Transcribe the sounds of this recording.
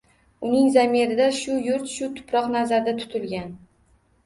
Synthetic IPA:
ʊnɪŋzamiɾɪd̪aʃʊjʊɾt̪ʃʊt̪ʰʊ̥pʰɾɒqnazaɾd̪at̪ʰʊ̥t̪ʰɪlɡʲan

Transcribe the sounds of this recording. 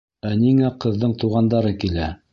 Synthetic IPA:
æniŋæqɤ̆ðːɤɴt̪uʁɑnd̪ɑɾɤkilæ

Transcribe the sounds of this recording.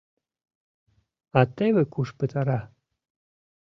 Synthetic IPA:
ɑt̪eβekuʃpət̪ɑɾɑ

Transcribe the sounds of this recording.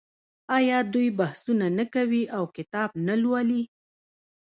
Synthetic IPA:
ɑjɑd̪ujbahsunanakawiʔawkɪt̪ɑb̚nalwali

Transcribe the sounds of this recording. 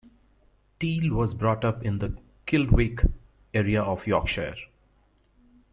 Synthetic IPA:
ʈiːlʋɔːzbɾɔːʈʌpɪ̃nd̪ə | kɪlɖweːk | eːɾiaɔːʋjɔːkʃḛːɾ

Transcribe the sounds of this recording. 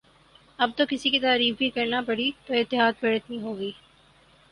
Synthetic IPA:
ɐb̚t̪okɪsikit̪aːɾiːfbʱikɐɾnapɐɽit̪oɪt̪ːɪɦaːd̪̚pɐɽət̪nĩɦoːɡiː

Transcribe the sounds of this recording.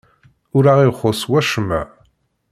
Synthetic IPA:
uɾaːʁeχʷɔswɐʂɨma̰

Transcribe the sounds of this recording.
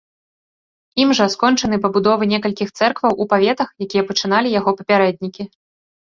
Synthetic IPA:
imʐɐskɔnt͡ʂɐn̪ɨpɐbud̪ɔvɨnʲɛkɐlʲkʲixt̪sɛrkvɐwʔupavʲɛt̪ɐxjakʲijɛpɐt͡ʂɨn̪alʲijaɣɔpɐpʲaɾɛd̪̚ʲnʲikʲi

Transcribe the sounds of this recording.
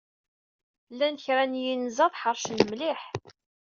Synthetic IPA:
lːænçɾænjinzɑðˤħəɾˤʃnəmlɪħ

